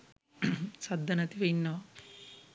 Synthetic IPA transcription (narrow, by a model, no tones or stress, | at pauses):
sɐd̪ːɐnɐt̪iʋɐjnːaː